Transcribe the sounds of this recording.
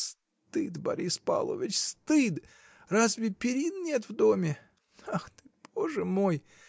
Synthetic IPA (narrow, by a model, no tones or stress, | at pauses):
s | t̪ɨd̪bɐ̰ɾʲispa̰lˠo̰vʲɪt͡ɕst̪ɨd̪ | razvʲɪpʲɪɾʲinnʲet̪vd̪o̞mʲɪ | axt̪ɨb̥oʐɨmo̞j